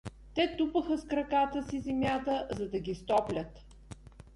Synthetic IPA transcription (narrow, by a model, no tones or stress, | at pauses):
t̪ɛt̪upəxəskɾɐkat̪əsizɛmʲjat̪əzɐd̪ɐɡʲist̪ɔplʲət̪